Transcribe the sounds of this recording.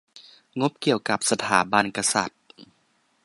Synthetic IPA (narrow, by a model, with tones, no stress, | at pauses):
ŋo˦˥p̚ki˨˩əwka˨˩p̚sa˧t̪ʰaː˩˦ba˧˨nka˧sa̰˨˩t̪̚